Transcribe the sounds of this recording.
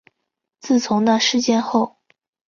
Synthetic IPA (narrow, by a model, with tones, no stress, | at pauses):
t͡sɹ̩˥˩t͡sʰʊ˧˥ŋd̪a˥˧ʂɻ̩˥˧t͡ɕjɛ˥˧nxo˥˩ʊ